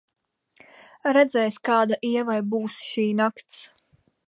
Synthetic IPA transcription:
ɾɛd̪zɛjskaːd̪aʔiɛvajbuːsʃiːnakt̪s

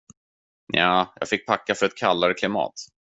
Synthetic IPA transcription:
jaːjɑ̰ːɡfɪk̚ːpʰakːafœɾɛt̪̚kʰalːaɾəkʰlɪmɑ̰ːt̪

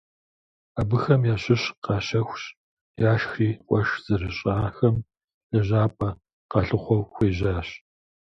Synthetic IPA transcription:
aːbɨxɐmjaːɕɪɕqɑːɕɐxʷɕ | jaːʃxiːʔʷʼɔʃz̥ɨrɨɕʼaːxɐm | jɐʑaːpʼɐ | qɑɬɨχʷɔwxʷeːʑaːɕ

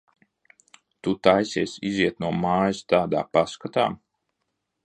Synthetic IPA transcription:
t̪ut̪ajsʲiːsiziɛt̪nuɔmaːjst̪aːd̪a̰ːpaskat̪a̰ː

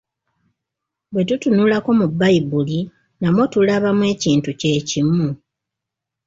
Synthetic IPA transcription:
bwe̞tutunuːlako̞mubːaibuli | namwotulaβamwe̞ːciːntuce̞ːcimu

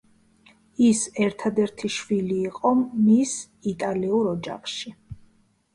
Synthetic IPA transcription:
isɛɾt̪ʰad̪ɛɾt̪ʰiʃwiliːqʼɔmis | it̪ʼaliuɾɔd͡ʒa̰χʃi

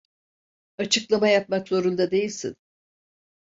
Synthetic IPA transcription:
at͡ʃʰɯklˠamajap̚makzo̞ɾund̪ad̪e̞jilʲsḭn

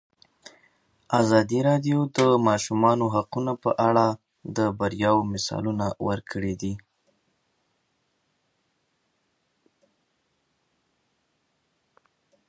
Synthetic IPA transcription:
azɑd̪iɾɑɖjod̪əmɑʃumɑnoɦaqunapə̰ʔaɽa | d̪əbaɾjɑwmɪsɑ̰lunawəɾkʰəɽid̪i

